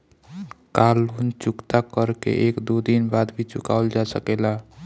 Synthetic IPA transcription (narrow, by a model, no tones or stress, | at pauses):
kalunt͡ʃukt̪akəɾkḛʔekd̪ud̪inbad̪bʱit͡ʃukaʊld͡ʒasəkela